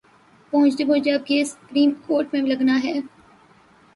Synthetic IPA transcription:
pɐɦʊ̃t͡ʃd̪ebõːd͡ʒab̚keːsʊ̥pɾiːmkoːɾʈmẽlɐɡnaɦɛː

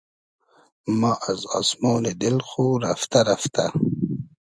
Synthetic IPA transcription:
maːʔaza̰smoːled̪ɪlxuɾaft̪aɾaft̪a

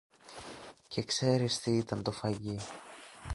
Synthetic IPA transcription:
ce̞kse̞ɾist̪iit̪ɐnt̪o̞fɐʝi

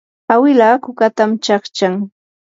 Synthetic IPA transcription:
awɪlaːkʊkat̪amt͡ʃɑχt͡ʃaŋ

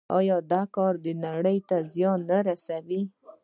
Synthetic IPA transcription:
ɑjɑd̪ɑkɑɾd̪ənaɽəjt̪azjɑnːaɾasawi

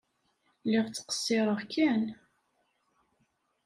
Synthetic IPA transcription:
lːɪʁt͡sːə̥qə̥sːɪɾˤəʁkæn

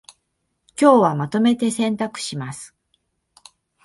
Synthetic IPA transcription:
kʲo̞ːβamat̪o̞me̞t̪e̞sẽ̞nt̪akɯ̟̥ɕimasɨ̥

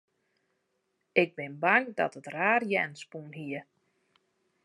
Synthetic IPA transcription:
ɪɡ̚bɪnbaŋdɔ̰tətraːrjɛnspunɦiə

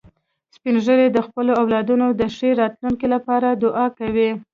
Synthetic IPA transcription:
spinʒəɾed̪əxpəloawlɑd̪unod̪əʂeɾɑt̪luŋkilapɑɾad̪ʊʔɑkawi

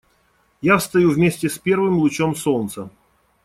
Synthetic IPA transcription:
jafst̪ɐjuvmʲesʲtʲɪspʲe̞rvɨmlˠʊt͡ɕomsolnnt̪sə

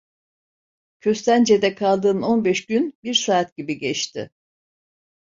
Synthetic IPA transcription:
cʰø̞st̪ʰænd͡ʒe̞d̪ɛkʰalˠd̪ɯːno̞nbɛʃɟynbiɾsaːt̪̚ɟibiɟɛt͡ʃt̪ʰɪ̰

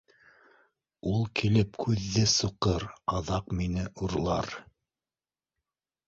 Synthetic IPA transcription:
ulˠkʰilɘpkʰʉðːɘsuqɤɾɑðɑqminɘʔuɾlˠɑɾ

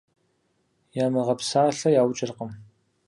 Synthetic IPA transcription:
jaːmɨʁɐpsaːɬɐjaːwt͡ʃʼɪrqəm

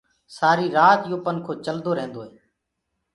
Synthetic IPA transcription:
saːɾiːɾaːt̪joːpənkʰoːt͡ʃəld̪oːɾẽːnd̪oːɦeː

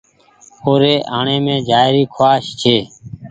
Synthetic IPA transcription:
oːɾeːʔaːɳẽːmẽːd͡ʒaːɪɾiːkʰoaːʃt͡ʃʰeː

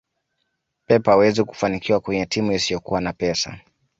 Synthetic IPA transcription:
pɛpawɛziku̥fanikiwakwɛɲɛtimuisijɔkuwanapɛsa̰

